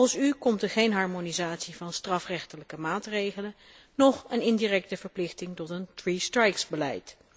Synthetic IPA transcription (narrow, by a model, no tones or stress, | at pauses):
sykɔmtəɹχejnɦɑɹmonizaːtsivɑnstrɑfrɛχtələkəmaːtrejχələ | nɔχənɪndirɛk̚təvəɹplɪχtɪŋtɔtəntristrɛjksbəlɛ̰jt